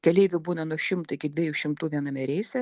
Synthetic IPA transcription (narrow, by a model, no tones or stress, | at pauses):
kʲɛlʲɛɪʋʲʊbuːnɐnuɔʃʲɪmt̪ʊɪkʲɪd̪ʲʋʲiɛjuːʃʲɪmt̪uːʋʲiɛnɐmʲɛɾʲɛɪsʲɛ